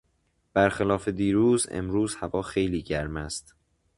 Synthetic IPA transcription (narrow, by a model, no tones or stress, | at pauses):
b̥æɾxelɒːfe̞d̪iːɾuːzḛmɾuːzhævɒːxejliːɟæɾmæst̪